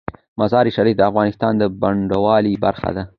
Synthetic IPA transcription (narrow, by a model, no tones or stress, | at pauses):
mazɑɾiʃaɾifd̪əafɣɑnɪst̪ɑnd̪əbaɳɖawɑliba̰ɾxa̰d̪a